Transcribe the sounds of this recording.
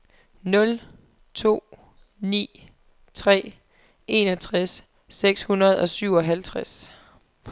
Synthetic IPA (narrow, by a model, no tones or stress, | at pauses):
nɔ̽l | t͡sʰo̝̰ː | nḭː | t͡sʰʁɛ̰ː | e̝nɒt͡sʰʁasː | eɡ̥shunɐð̞̩ˠɒ̽syʊɒ̽ɦælt͡sʰʁas